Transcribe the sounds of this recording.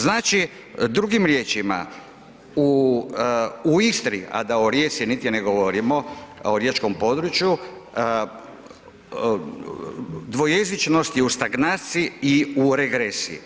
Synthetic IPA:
znaːt͡ʃi | d̪ɾuɡimɾjet͡ʃima̰ | u | uist̪ɾia̰d̪aoɾje̞ːsijinit̪jeneɡoʋoɾimo̞oɾjet͡ʃko̞mpo̞d̪ɾut͡ʃju | d̪ʋo̞je̞zit͡ʃno̞st̪jeust̪aɡnaːt̪siiuɾeɡɾesḭ

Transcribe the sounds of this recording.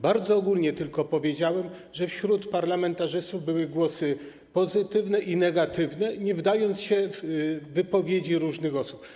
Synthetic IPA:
baɾd̪zɔːɡulɲɛt̪ɘlkɔpɔvʲjed͡ʑawɛmʐɛfɕɾut̪paɾlamɛnt̪aʐɘst̪uvbɘwɘɡwɔsɘ | pɔzɘt̪ɘvnɛʔinɛɡat̪ɘvnɛɲɛvd̪ajɔnt̪sɕɛvvɘpɔvʲjed͡ʑiɾuʐnɘxɔsu̥p

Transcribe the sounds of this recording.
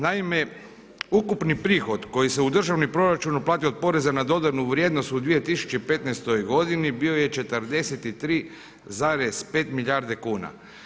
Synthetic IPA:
naime̞ | ukupnipɾiːxo̞d̪ko̞jise̞ud̪r̩ʒaʋnipɾo̞ɾat͡ʃunuplˠaːt̪iod̪̚po̞ɾe̞zanad̪o̞d̪anuʋɾjed̪no̞st̪ud̪ʋije̞t̪isu̥t͡ʃepe̞t̪nest̪o̞jɡo̞d̪inibio̞jet͡ʃe̞t̪əɾd̪e̞set̪it̪ɾiː | zaːɾe̞z̥pe̞ːt̪miʎʲaɾd̪e̞kuːna̰

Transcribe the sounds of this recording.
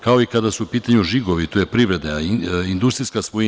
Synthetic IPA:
kao̞ikad̪asuupiːt̪aɲuʒiɡo̞ʋit̪oje̞pɾiʋɾe̞d̪eaind̪ust̪ɾiskasʋo

